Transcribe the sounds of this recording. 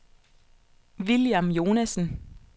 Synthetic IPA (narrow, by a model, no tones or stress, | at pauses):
ʋiljamjo̝ːnæsn̩